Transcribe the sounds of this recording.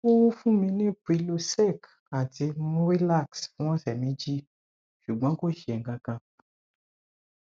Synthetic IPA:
o˦wu˦fũ˦mĩ˧nĩ˦pu˨i˧lo˧sɛ˦˨k | a˨ti˧mũ˦ɾi˦la˦˨ksfũ˦w̃ɔ̃˦sɛ˨mĩ˨˦d͡ʒi˦ | ʃu˨ɡ͡bɔ̃˦ko˦˨ʃi˨ɛ˨ŋ̩˦ɡã˧kã˧

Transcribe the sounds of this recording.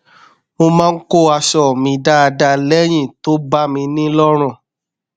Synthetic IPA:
mo˧mãː˦n̩˦ko˦˨a˧ʃɔ˦˨mĩ˧da˦a˧da˧lɛ˦j̃ĩ˦˨to˨˦ba˦mĩ˧nĩ˦lɔ˦ɾ̃ũ˦˨

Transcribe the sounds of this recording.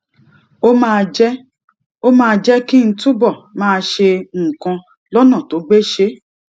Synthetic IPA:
o˦mã˦˧d͡ʒɛ˦ | o˦mãː˦˧d͡ʒɛ˦ki˦n̩˦tu˦bɔ˦˨mãː˦˧ʃe˧˦˨kã˧ | lɔ˦nã˦˨to˨˦ɡ͡be˦ʃe˦

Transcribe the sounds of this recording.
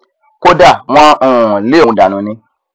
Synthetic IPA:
ko˦da˨w̃ã˧õ˧˨le˦õ˨˧da˨nũ˨nĩ˧

